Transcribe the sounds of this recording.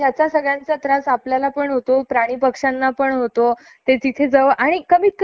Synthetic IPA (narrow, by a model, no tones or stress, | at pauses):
jat͡sasəɡɭjant͡sat̪ɾasapljalapəɳɦot̪opɾaɽ̃iːpəkʂanːapəɳɦot̪o | t̪ed͡zit̪ʰed͡zəʋʔaɽ̃ikəm̤iːk